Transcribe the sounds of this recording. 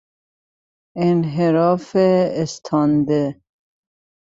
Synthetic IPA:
enɦeɾɔːfeːst̪ʰɑnd̪e

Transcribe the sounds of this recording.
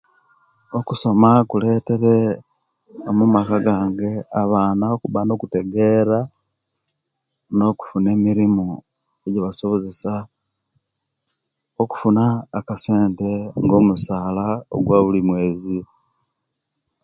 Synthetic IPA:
o̞kuso̞makule̞ːte̞ɾe̞ | omumakaɡaːŋɡe̞aβaːnaokuβano̞kute̞ɡe̞ɾa | no̞ku̥fune̞ːmiɾimu | eɟiβasoβozesa | oku̥funaːkase̞ːnte̞ŋɡo̞musaːlao̰ɡwaːβulimwe̞ːzi

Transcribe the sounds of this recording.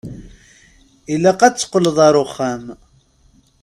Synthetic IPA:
ilæqæt͡sːə̥qːələðˤɑɾˤoχːæm

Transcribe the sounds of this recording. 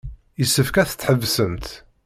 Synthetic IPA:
jəsːəfkæθə̥t͡sːħəvːsəmt̪

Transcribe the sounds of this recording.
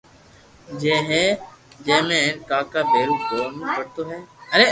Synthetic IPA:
d͡ʒeːɦɛːd͡ʒeːmẽːẽːnkaːkaːbeːɾuːkɡoːmẽpəɽt̪oːɦɛːəɾeː

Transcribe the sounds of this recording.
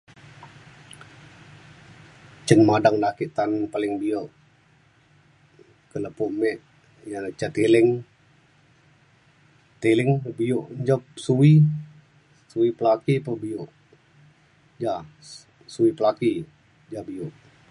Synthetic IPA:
t͡ʃənmadaŋdakiʔt̪anpalɪŋbioʔ | kələpoʔmɛʔ | jat͡ʃat̪ilɪŋ | t̪elɪŋbiʊʔɲd͡ʒəp̚sui | suipəlakipəbioʔ | d͡ʒa | suipəlaki | d͡ʒabiʊʔ

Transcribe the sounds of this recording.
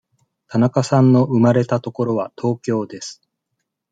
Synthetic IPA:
t̪anakasãnːo̞ʔɯ̟maɾe̞t̪at̪o̞ko̞ɾo̞βat̪ʰo̞ːkʲo̞ːd̪e̞sɨ̥

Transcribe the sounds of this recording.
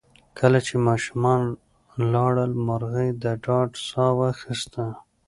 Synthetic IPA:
kʰəlat͡ʃemɑʃumɑn | lɑɽəlmaɾɣəjd̪əɖɑɖsɑwaxist̪a

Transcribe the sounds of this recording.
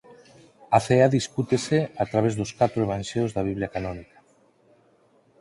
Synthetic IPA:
aθeaðisput̪eseat̪ɾaβezðoskat̪ɾoeβ̞anʲʃewzðaβiβ̞liakanɔnikḁ

